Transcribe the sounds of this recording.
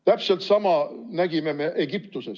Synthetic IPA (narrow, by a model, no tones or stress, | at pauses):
t̪æpse̞lt̪sɑmɑnæɡ̥ime̞me̞ʔeɡ̥ipt̪use̞s